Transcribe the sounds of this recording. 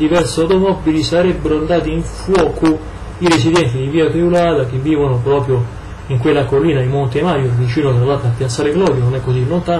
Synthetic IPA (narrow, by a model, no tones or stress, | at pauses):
d̪ivɛɾsawt̪omɔbːilisaɾɛbːeɾoand̪aːt̪̬iiɱfwɔːko | iɾesid̪ɛnt̪id̪iviːapɾiulaːt̪ak̟evːiːvonopɾɔːpɾjo | iŋkwelːakolːiːnaimont̪emaːjovit͡ʃiːnot̪ɾalːaːt̪apːjat̪sːaːɾeɡlɔːd̪janonɛkːosinːont̪a